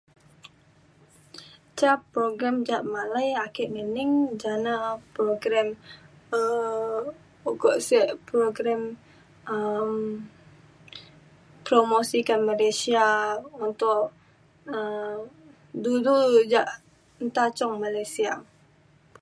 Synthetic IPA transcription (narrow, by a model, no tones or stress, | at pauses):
t͡ʃapːɾoɡɾɛmd͡ʒaʔmalajakɪʔŋənɪŋd͡ʒanapɾoɡɾɛmə | uɡɔʔsɛʔpɾoɡɾɛm | əm | pɾomosikanmalasiaunt̪ʊʔ | ə | dudud͡ʒaʔ | nt̪at͡ʃɔŋmalajsia